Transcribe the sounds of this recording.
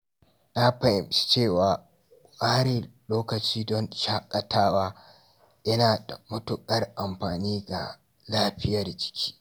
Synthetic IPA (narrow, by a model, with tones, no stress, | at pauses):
na˦ɸɐ˨ʔɪ˨mʃi̥˦t͡ʃeː˦˨waː˨ | ʔʼaː˦ɾe˨loː˦kɐ˨t͡ʃiː˦dɔ˦nʃaː˦kʼɐ˨tʰaː˦waː˦ | ʔɐ˦naː˨da̰˨mʊ˦tʊ˨kʼɐ˦rʔa˨mɸaː˨niː˦ɡa̰˨ | laː˦ɸɪ˦jɐ˨rd͡ʒɪ̥˦kʲʰi̥ː˦